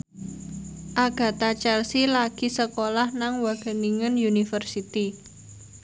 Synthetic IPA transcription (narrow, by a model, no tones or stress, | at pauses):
ʔaɡ̥ä̤t̪at͡ʃɛlsilaɡ̥i̤səkolahnaŋwaɡ̥ə̤niŋənjunifərsit̪i